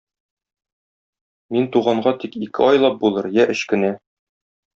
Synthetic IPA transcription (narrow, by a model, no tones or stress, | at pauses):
mint̪uʁɑɴɢɑt̪ikikɘɒjlˠɑp̚bulˠɤɾjæʔɘ̆ɕkɘ̆næ